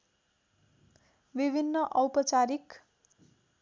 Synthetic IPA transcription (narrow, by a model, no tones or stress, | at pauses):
bibʱinːʌʔʌwpʌt͡saɾik